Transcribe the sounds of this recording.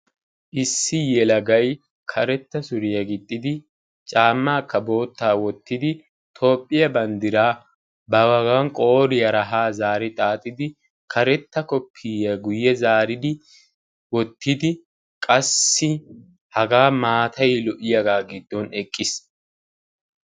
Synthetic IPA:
ʔɪsːɪjɛlɐɡɐj | kʰɐɾɛt̪ːɐsʊɾɪjɐɡɪt̪ʼːɪd̪ɪ | t͡ʃʼaːmːaːkːɐbo̞ːt̪ːaːwɔt̪ːɪd̪ɪ | t̪ʰo̞ːpʼːɪjɐbɐnd̪ɪɾaː | bɐwɐɡɐŋkʼo̞ːɾɪjɐɾɐɦaːzaːɾɪt̪ʼaːt̪ʼɪd̪ɪ | kʰɐɾɛt̪ːɐkɔpʰːɪjɐɡʊjːɛzaːɾɪd̪ɪ | wɔt̪ːɪd̪ɪ | kʼɐsːɪ | hɐɡaːmaːt̪ʰɐjlɔʔɪjɐɡaːɡɪd̪ːɔnɛkʼːɪs

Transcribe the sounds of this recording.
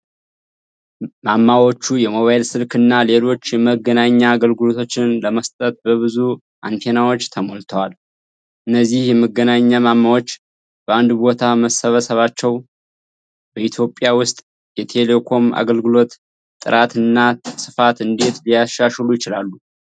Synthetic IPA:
mamːawo̞t͡ʃːujɛmo̞βajilsɨlkɨnːale̞lo̞t͡ʃːjɛməɡənaɲːaːɡəlɡɨlo̞t̪ʰo̞t͡ʃːɪnləməst̪ʼət̪̚bəβɨzu | ʔa̰nt̪ʰenawo̞t͡ʃːt̪ʰəmolt̪ʰəwal | ʔɨnːəzːihjɛməɡːənaɲːamamːawo̞t͡ʃː | b̥əand̪bo̞t̪ʰaməsəβəsəβat͡ʃːɛw | b̥əʔit̪ʰjo̞pʼjawʊst̪ʼ | jɛt̪ʰe̞le̞kʰo̞ma̰ɡəlɡɨlo̞t̪ | t̪ːʼɨɾʔat̪ɨnːasɨfat̪ɨnd̪e̞t̪lijaʃːaʃlujɪt͡ʃɪlalːu

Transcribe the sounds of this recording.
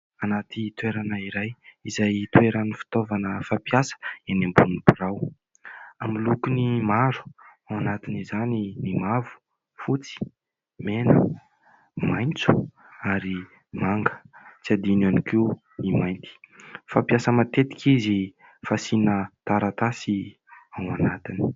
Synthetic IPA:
anat̪it̪ueɾanəiɾajizajt̪ueɾanifi̥t̪ovanəfapiasə̥anambunubuɾaw | amilukunimaɾu̥awanat̪inizanimimavu̥ | fut͡si̥ | menə̰ | majnt͡su̥ | aɾi | maŋɡə̥t͡siad̪inaniki | nimajnt̪i̥fapjasəmat̪et̪i̥kizi | fasinət̪aɾat̪asi | awanat̪ini̥

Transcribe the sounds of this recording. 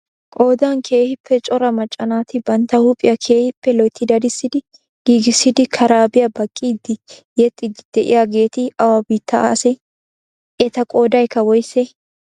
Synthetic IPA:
kʼo̞ːd̪ɐnkʰe̞ːhɪpʰːɛt͡ʃʼɔɾɐmɐt͡ʃʼːɐnaːt̪ɪbɐnt̪ːɐhʊpʼɪjɐkʰe̞ːhɪpːɛlɔjt̪ʰːɪd̪ɐd̪ɪsːɪd̪ɪ | ɡ̥iːɡɪsːɪd̪ɪkʰɐɾaːbɪjɐbɐkʼːiːd̪ɪjɛt̪ʼːɪd̪ɪd̪̥ɛʔɪ̰jaɡe̞ːt̪ɪɐwɐbiːt̪ːɐsɛ | ʔɛt̪ɐkʼo̞ːd̪ɐjkːɐwɔjsːɛ

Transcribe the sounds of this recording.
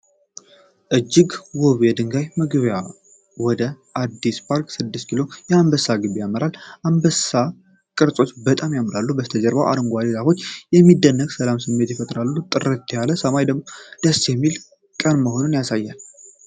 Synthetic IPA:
ʔɨd͡ʒːɪɡwoβɛd̪ɨŋɡajmɨɡβja | wɔd̪əʔad̪ispʰaɾkʼsɨd̪ːɨst̪kʰilo̞jɛambəsːaɡɨβijaməɾalʔambəsa | kʼɨɾsʼo̞t͡ʃːbət̪ʼamjamɨɾalːubəst̪ʰəd͡ʒəɾbawʔa̰ɾɨŋɡʷalilako̞t͡ʃːjɛmːid̪ːənːəɡsəlamsɨmːe̞t̪jɛfət̪ʼɾalːut̪ʼɨrət̪t̪ʰːjaləsəmajd̪əɡmo̞d̪̥əsːjɛmːil | kʼənməɦo̞nunjasajːal

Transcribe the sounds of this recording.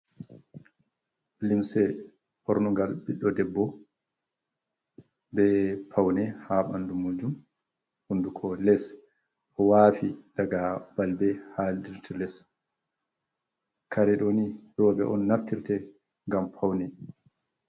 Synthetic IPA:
limsɛ | hɔɾnuɡalbiɗːɔdɛbːɔ | bɛpʰawnɛhaɓandumud͡ʒum | hundukʰɔlɛs | ʔɔwaːfidaɡab̥albɛhaldiɾtʰilɛs | kaɾɛɗonijɔːbɛ̰ʔɔnːaftiɾtɛ | ŋɡampʰawnɛ

